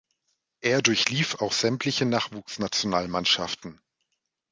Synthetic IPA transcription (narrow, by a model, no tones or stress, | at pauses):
ʔeːɐdʊɐçliːfaʊxz̥ɛmtʰlɪçənaːχv̥uːksnat͡sjonaːlmanʃaftn̩